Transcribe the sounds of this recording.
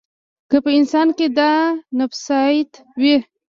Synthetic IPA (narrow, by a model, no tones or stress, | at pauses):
kəpəɪnsɑnked̪ɑnafsɑjt̪ | wi